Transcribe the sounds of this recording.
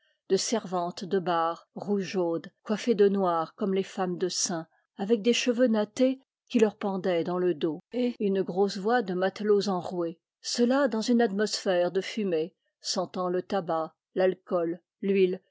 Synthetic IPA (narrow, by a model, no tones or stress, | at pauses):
d̪əsɛʁvɑ̃t̪d̪əbaːʁʁuʒod̪kwafed̪ənwaʁkɔmlefamd̪əsɛ̃ | avɛk̚d̪eʃəvønat̪e | kʲilœʁpɑ̃d̪ɛd̪ɑ̃ləd̪oeynɡʁosvwad̪əmat̪lozɑ̃ʁwe | səlad̪ɑ̃zynat̪mɔsfɛʁd̪əfyme | sɑ̃t̪ɑ̃lət̪aba | lalkɔl | lɥil